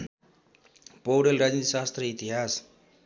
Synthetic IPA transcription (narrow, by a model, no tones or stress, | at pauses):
powɽelɾad͡znit̪isast̪rʌit̪iɦas